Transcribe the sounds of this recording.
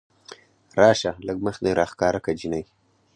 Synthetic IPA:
ɾɑːʃaləɡməxd̪eɾʔɑxkɑːɾakad͡ʒinaj

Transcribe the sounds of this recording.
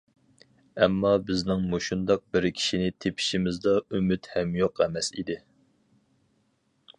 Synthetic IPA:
ɛmːɑbɪznɪŋmoʃund̪ɑq̚bɪɾkʲʰi̥ʃinɪt̪ʰepʰi̥ʃimɪzd̪ɑymyt̪hɛmjoqɛmɛsḭd̪ɪ

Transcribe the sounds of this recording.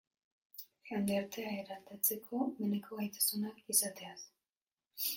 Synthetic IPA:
xand̪eɾt̪eaeɾat̪at͡se̞kʰo̞menekʰo̞ajt̪ḁsunakisat̪eas

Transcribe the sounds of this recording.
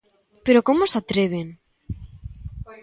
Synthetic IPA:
peɾokomosat̪ɾeβ̞en

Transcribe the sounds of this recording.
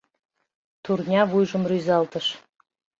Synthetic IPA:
t̪urnʲɑβujʒə̆mryzɑlt̪əʃ

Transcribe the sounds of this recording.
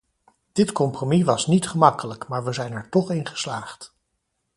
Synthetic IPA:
d̥ɪtkɔmpromiʋɑsnitχəmɑkələkmaːɹʋəzɛjnɛɹtɔχɪnχə̥slaːχt

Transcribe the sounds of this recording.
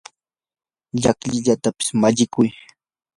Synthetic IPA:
ʎakʎɪʎat̪apɪ̥smaʎɪkʊj

